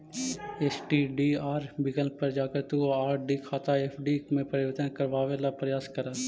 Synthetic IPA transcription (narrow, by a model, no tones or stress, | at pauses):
eːsʈiːɖiːaːɾbɪɡəlpəɾd͡ʒaːkəɾt̪uoaːɾɖiːkʰaːt̪aːeːpʰɖiːmẽpəɾɪʋəɾt̪ənkəɾʋaːʋelapɾəjaːskəɾə